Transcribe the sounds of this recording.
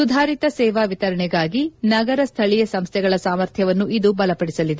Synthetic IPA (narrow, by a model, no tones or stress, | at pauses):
sud̪ʱaːɾit̪ɐsɛːʋaːʋit̪ɐɾɐɳɛɡaːɡinɐɡɐɾɐst̪ʰɐɭijɐsɐmst̪ʰɛɡɐɭɐsaːmɐɾt̪ʰjɐʋɐnːuʔid̪ubɐlɐpɐɽisɐlid̪e